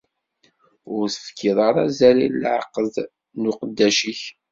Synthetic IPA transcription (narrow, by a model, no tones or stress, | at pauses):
ʊɾθə̥fkʰːiðˤɑɾˤæ̰zælillʕə̰qːəð | nʊqəd̪ːæʃiç